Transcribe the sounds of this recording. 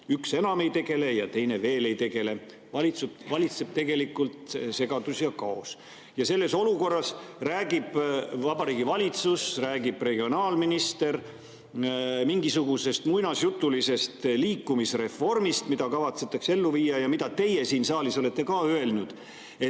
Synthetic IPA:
ykse̞nɑme̞jt̪e̞ɡe̞le̞jɑt̪e̞jne̞ve̞ːle̞jt̪e̞ɡe̞le̞ | vɑlit̪suvɑlʲit̪se̞b̥̚t̪e̞ɡe̞likːult̪se̞ɡ̥ɑd̪̥usjɑkɑos | jɑse̞lːe̞so̞luko̞rːɑsræːɡ̥ib̥vɑbɑɾiːɡivɑlʲit̪susræːɡib̥re̞ɡ̥io̞nɑːlminist̪e̞r | miŋɡisuɡ̥use̞st̪mujnɑsjut̪ːˑulise̞st̪liːkːumisre̞fo̞rmist̪mid̪̥ɑkɑvɑt̪se̞t̪ːˑɑkse̞lːuviːɑjɑmid̪ɑt̪e̞je̞siːnsɑːliso̞le̞t̪ːe̞kɑːøe̞lnud̪̥ | e̞t̪

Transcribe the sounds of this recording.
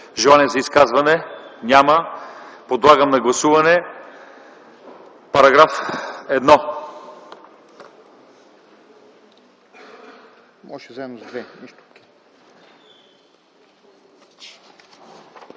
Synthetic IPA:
ʒɛlˠanɛzɐiskazvɐnɛnʲaməpod̪lˠaɡəmnɐɡlˠɐsuvɐnɛ | pɐɾɐɡɾafɛd̪nɔ | mɔʃɛzaɛmnozd̪vɛniʃt̪u̥ki̥

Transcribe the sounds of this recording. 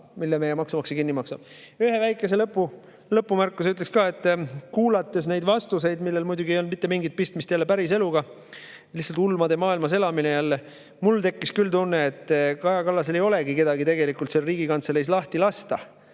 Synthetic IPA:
milːemejemɑksumɑksekinːimɑksɑm | yhe̞væjkːˑe̞se̞lɤpːu | lɤpːumærkːˑusyt̪lekskɑːe̞t̪ːˑkuːlɑt̪ːˑe̞s̬ne̞jd̪vɑst̪use̞jd̪milːe̞lmujd̪uɡiejonːd̪mit̪ːemiŋɡit̪̚pist̪mist̪jælːepæɾis̬e̞luɡɑ | lihsɑlt̪ulːmɑd̪emɑːilmɑs̬e̞lɑminejælːe | mult̪e̞kːiskylt̪unːeet̪ːˑkɑjɑkɑlːɑse̞le̞jo̞le̞ɡike̞d̪ɑɡit̪eɡe̞likˑult̪se̞lriːɡikɑnt̪selejs̬lɑht̪ilɑst̪ɑ

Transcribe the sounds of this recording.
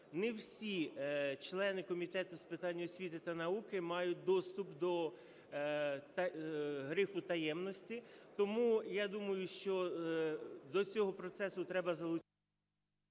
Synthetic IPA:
nɛwsʲit͡ʃlˠɛnɪkɔmʲit̪ɛt̪ʊspɪt̪ɑnʲːɔsʲʋʲit̪ɪt̪ɐnɐukɪmɑjʊt̚ʲd̪ɔst̪ʊpd̪ɔ | t̪ɐɦɾɪfʊt̪ɐjɛmnɔsʲtʲit̪ɔmujad̪umɐjʊʃt͡ʃɔ | d̪ɔt͡sʲɔɦɔpɾɔt̪sɛsʊt̪ɾɛbɐzɐlˠʊt͡ʃ

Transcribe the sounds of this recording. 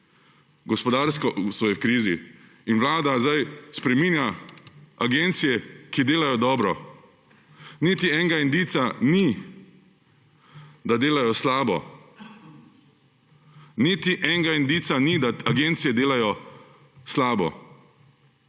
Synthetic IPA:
ɡɔspɔd̪aːɾskɔʔsɔjɛwkɾiːzḭ | inʋlaːd̪azajspɾɛmiːnja | aɡent̪sijɛkid̪eːlajɔd̪ɔːbɾɔ | nit̪iɛːŋɡaind̪iːt̪sani | d̪ad̪eːlajɔslaːbɔ̰ | nit̪iʔɛŋɡaind̪iːt̪sanid̪aaɡent̪sijɛd̪eːlajɔ | slaːbɔ̰

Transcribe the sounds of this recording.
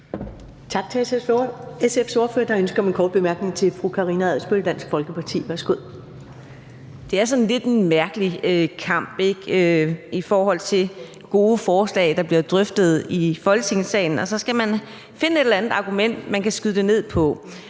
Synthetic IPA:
t͡sʰɑ̈ɡ̥̚t͡sʰe̝esesfoesefso̝ːɐføːɐd̥ɑønsɡ̥ɐme̝nkʰɒːd̥̚b̥emæɐɡ̥ne̝ŋt͡sʰe̝fʁukʰɑ̈ʁiːnææð̰ˠsb̥øld̥æn̰sɡ̥fɒ̽lɡ̥əpʰɑ̈t͡sʰḭːʋæɐsɡ̥oð̰ˠ | d̥e̝æɐsɒ̽n̩le̝d̥enmæɐɡ̥əliøkʰɑ̈m̰b̥e̝ɡ̥øifɒːɦɒ̽l̰t͡sʰe̝l | ɡ̥o̝ːəfɒːslɛ̰ɪd̥ɑ̈b̥liɐd̥ʁœfd̥ð̩ˠifɒ̽lɡt͡sʰe̝ŋsɛ̰ːɪn̩ɒ̽sɒ̽sɡ̥æmæn | fe̝nəe̝d̥elænð̩ˠɑ̈ɡ̥umen̰d̥mænkʰæsɡ̥yðˠd̥e̝ne̝ð̞̰ˠpʰɒ̽

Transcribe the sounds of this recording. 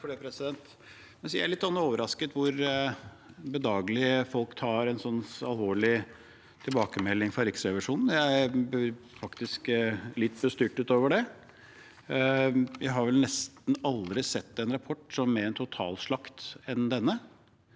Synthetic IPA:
fɔɖepʰɾɛsɪd̪ɛnt̪ | mɛnsjæɪæɭɪt̪ːsɔnːɑoːʋəɾɑskət̪ʋʊɾ | bəd̪ɑːɡəlɪəfɔlkt̪ʰɑːɾɛnsɔnːɑlʋoːɭɪ | t̪ʰɪlbɑːkəmɛlːɪŋfɾɑɾɪksɾɛʋɪʂuːnn̩jæɪææɾ | fɑkt̪ɪsklɪt̪ːbəst̪yːʈʉːt̪oːʋəɖɛ | jæɪɦɑɾʋɛlnɛst̪nɑld̪ɾɪsɛt̪ːɛnɾɑpʰɔʈːsɔmːɛɾɛnt̪ʰʊt̪ʰɑ̰ːlʂɭɑkt̪ɛnd̪ɛnːə

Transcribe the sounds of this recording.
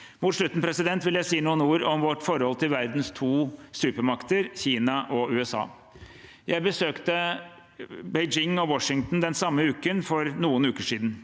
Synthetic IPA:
mʊt̪ʂɭʉt̪ːnpʰɾɛsɪd̪ɛnt̪ʋɪljæɪsiːnuːənuːɾɔmʋɔʈːfɔɾhɔlt̪ʰɪlʋæɾd̪nst̪ʰuːsʉːpəɾmɑkt̪əɾçiːnɑʔɔʉːɛsɑ̰ː | jæɪbəsøːkt̪ə | bɛɪd͡ʒɪŋːɔwɔʂɪŋt̪n̩d̪ɛnsɑmːəʉːkənfɔɾnuːənʉːkəʂiːd̪n

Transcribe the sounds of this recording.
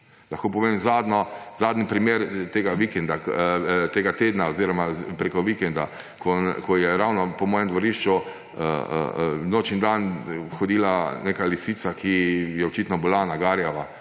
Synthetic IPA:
lɐxkoːpɔʋemzad̪nɔzaːd̪nipɾimeːɾt̪eːɡaʋikɛnd̪at̪eːɡat̪eːd̪naoziɾɔmapɾekɔʋikɛnd̪a | kʰɔkɔjɛɾawnɔpɔmɔːjɛmd̪ʋɔɾiʃt͡ʃu | ə̰ | noːt͡ʃnid̪anxɔd̪iːlaneːkalisiːt̪sakʰijɛɔt͡ʃit̪nɔbilanaɡaɾjaʋa

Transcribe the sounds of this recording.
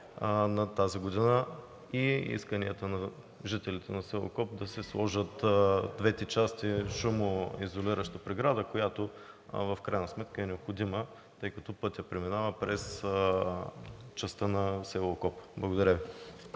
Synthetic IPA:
nɐt̪aziɡod̪inə | iḭskənijət̪ənɐ | ʒit̪ɛlit̪ɛnɐsɛlˠo̰kɔp̚d̪ɐsɛslˠɔʒət̪d̪vɛt̪ɛt͡ʃast̪iʃumoizoliɾəʃt̪əpɾɛɡɾad̪əkojat̪o | vɐfkɾajnɐsmɛt̪kəɛnɛopxod̪imə | t̪ɤjkɐt̪ɔpɤt̪ʲjɐpɾɛminavəpɾɛs | t͡ʃɐst̪ənɐsɛlˠokɔpblˠɐɡod̪ɐɾʲəvi

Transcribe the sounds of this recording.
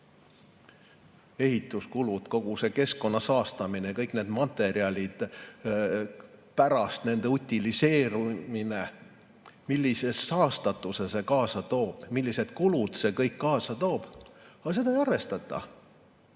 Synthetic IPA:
e̞ɦit̪ːˑuskulud̪̥ko̞ɡ̥use̞ke̞sko̞nːɑsɑːst̪ɑminejɑkɤjkːˑne̞ːd̪̥mɑt̪ːˑe̞ɾiɑlʲid̪̥ | pæɾɑst̪ne̞nd̪e̞ut̪ʲːilise̞ːɾumine | milʲːise̞sːɑːst̪ɑt̪ːˑuse̞se̞kɑːsɑt̪o̞ːb̥milʲːise̞d̪̥kulud̪̥se̞kɤjkːɑːsɑt̪o̞ːb̥ɑse̞d̪̥ɑejɑrve̞st̪ɑt̪ˑːɑ̰

